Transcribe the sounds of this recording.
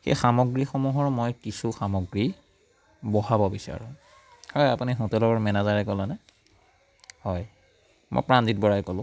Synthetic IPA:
xḛjxamɔɡɹixɔmuɦɔɹmojkisuxamɔɡɹi | bɔɦabɔbisa̰ɹʊ̰̃ | hɔjapuniɦutɛlɔɹmɛnazaɹɛkɔlanɛ | hɔj | mo̰jpɹandit̚bɔɹajkɔlʊ̃

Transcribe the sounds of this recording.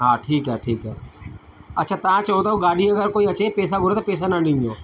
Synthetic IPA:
ɦãːʈʰiːkɦɛːʈʰiːkɦɛː | ɐtːʃʰaːt̪ãːt͡ʃəoːt̪aːoɡaːɖiəɡəɾkoːiət͡ʃeːpeːs̬aɡʱʊɾeːt̪apeːs̬anãɳɖĩnoː

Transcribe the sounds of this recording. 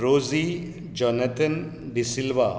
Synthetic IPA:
ɾoːzi | d͡ʒɔnɐt̪ən | ɖisilʋa

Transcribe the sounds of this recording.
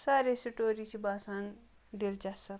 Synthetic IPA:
saːɾesiʈoːɾit͡ʃʰibaːsaːn | d̪eld͡ʒasɐ

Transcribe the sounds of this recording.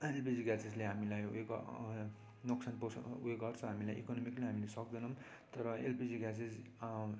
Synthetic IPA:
elpid͡ziɡased͡zleɦamilajṵeɡ̰ | noksʰanposueɡʌrt͡sʰʌ̃ɦamilajʔḭkʌnomikleɦamilesʌk̚d̪inʌm | t̪ʌɾʌelpid͡ziɡased͡z

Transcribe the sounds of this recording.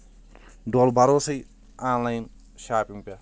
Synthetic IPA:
ɖoːlbɐɾoːsɐj | aːnlajn | ʃaːpiŋpa

